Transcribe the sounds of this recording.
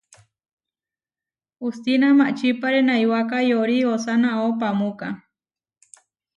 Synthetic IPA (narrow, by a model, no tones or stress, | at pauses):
ust̪inamaʔt͡ʃipaɾenajwakajoɾiosanaop̬amuka